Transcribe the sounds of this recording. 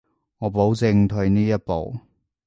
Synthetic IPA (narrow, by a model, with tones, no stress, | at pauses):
ŋɔː˨˧po˨˥wt͡sɪ˧ŋt̪ʰɵ˧ɥniː˥jɐ˥t̚po̰˨w